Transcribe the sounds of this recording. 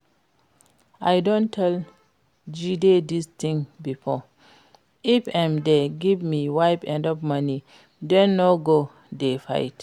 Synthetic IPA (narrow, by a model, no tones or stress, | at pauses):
ʔajdɔ̃ntʰɛl | d͡ʒidedistĩŋbifɔ | ʔifamdeɡivmiwajpɛ̃ndɔpmani | dɛ̃nːɔɡo | defa̰jt